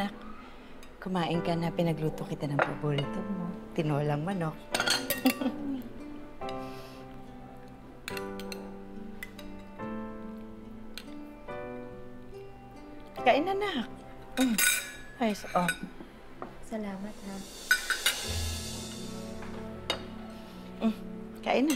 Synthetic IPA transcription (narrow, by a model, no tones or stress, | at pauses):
ak̚ | kʊmaːʔɪnkɐnɐpɪnɐɡluːt̪okɪt̪anɐŋpɐboɾiːt̪omo̞t̪ɪnoːlɐŋmɐno̞k̚ | kɐʔɪnanak̚ | hajsʔo | sɐlaːmɐt̪̚na | kɐʔɪna